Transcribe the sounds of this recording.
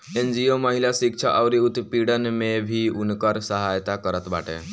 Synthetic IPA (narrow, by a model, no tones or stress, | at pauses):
end͡ʒioməɦiljasik̚t͡ʃʰa̰ʔəwɾiut̪piɽənmebʱiunkəɾsəɦajt̪akəɾət̪ba̰ʈḛ